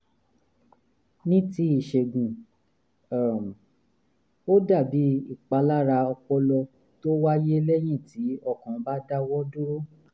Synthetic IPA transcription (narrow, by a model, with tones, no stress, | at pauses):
nĩ˦ti˦i˦˨ʃe˨ɡũ˨ | m˨ | o˦da˦˨bi˨˦i˦˨k͡pa˧˦la˦ɾa˧ɔ˧k͡pɔ˧lɔ˧ | to˦wa˦je˦lɛ˦j̃ĩ˦˨ti˨˦ɔ˦˨kɔ̃˨˦ba˦da˦wɔ˦do˦o˦